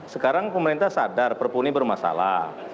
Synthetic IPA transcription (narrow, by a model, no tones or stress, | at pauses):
səkaɾaŋpəməɾint̪ahsadarpərpunibərmasa̰la̰